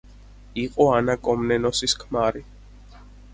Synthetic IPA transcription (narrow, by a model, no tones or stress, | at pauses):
iqʼɔanakʼɔmnɛnɔsiskʰmaɾi